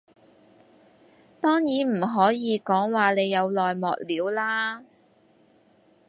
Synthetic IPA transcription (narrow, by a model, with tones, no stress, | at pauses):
t̪ɔː˥ŋjiː˨˥nm̩˨˩ɦɔː˨˥jiː˨˧kɔː˨˥ŋwaː˨ne˨˧jːɐ˨˧wlɔː˨jmɔ̰ː˨k̚liː˨˧˥wlaː˥